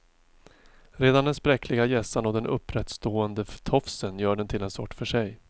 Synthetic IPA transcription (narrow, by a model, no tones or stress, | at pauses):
ɾeːd̪and̪ɛnspɾɛkʰlɪɡajɛsanɔd̪ɛnʔɵ̰pːɾɛt̪st̪oːənd̪əft̪ʰɔfsənjœːɖɛnt̪ʰɪlɛnsɔʈːfœʂɛj